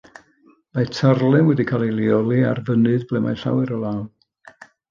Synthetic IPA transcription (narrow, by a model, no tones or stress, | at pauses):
matʰarlˠɛnwɛdikʰaːlˠilˠiɔlˠiarvənɨðblɛmajɬa̰wɛɾɔlˠaːn